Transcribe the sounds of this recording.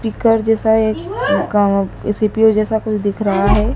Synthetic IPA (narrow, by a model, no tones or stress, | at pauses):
piːkəɾd͡ʒɛːsaekkɾɪsipiod͡ʒɛːsakʊt͡ʃʰd̪ɪkʰɾɐɦaɦɛː